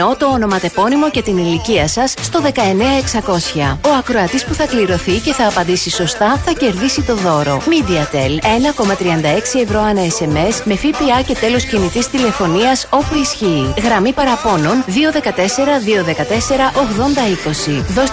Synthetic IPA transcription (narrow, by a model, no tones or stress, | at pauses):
o̞t̪o̞ːno̞mɐt̪e̞po̞nimo̞ce̞t̪iniliciɐsɐsːt̪o̞ðe̞kɐe̞ne̞ɐe̞ksɐko̞sçɐo̞ɐkɾo̞ɐt̪ispuθɐkliɾo̞θice̞θɐːpɐnd̪isiso̞st̪ɐθɐce̞ɾðisit̪o̞ðo̞ɾo̞̰mid̪iɐt̪e̞le̞nɐko̞mɐt̪ɾiɐnd̪ɐe̞ksie̞vɾo̞ɐnɐe̞se̞me̞sme̞fipiɐce̞t̪e̞lo̞scinit̪ist̪ile̞fo̞niɐso̞puisçiːɣɾɐmipɐɾɐpo̞no̞nðio̞ðe̞kɐt̪e̞se̞ɾɐðio̞ðe̞kɐt̪e̞se̞ɾɐʔo̞ɣðo̞nd̪ɐiko̞siðo̞s